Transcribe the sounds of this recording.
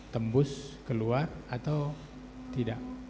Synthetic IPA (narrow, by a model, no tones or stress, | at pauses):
t̪əmbʊskəluarat̪aw | t̪idaʔ